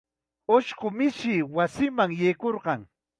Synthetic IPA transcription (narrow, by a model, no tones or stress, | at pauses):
oʃɢomɪʃɪwasɪmaŋjejkoɾɢɑŋ